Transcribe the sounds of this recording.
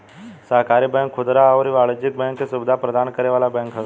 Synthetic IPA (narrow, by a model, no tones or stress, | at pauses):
səɦkaːɾibɛ̃ːŋkʰːʊd̪ɾaɔːɾiʋaːɭəd͡ʒɪk̚bɛ̃ːŋkːesʊbɪd̪ʱapɾəd̪aːnkəɾeʋaːlabɛ̃ːŋkɦə